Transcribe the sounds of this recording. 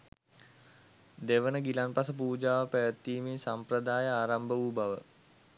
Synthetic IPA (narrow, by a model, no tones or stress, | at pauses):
d̪eʋənəɡilanpasəp̬uːd͡ʒaːʋəpæjət̪ːiːminsampɾəd̪aːjəaːɾambəubaʋə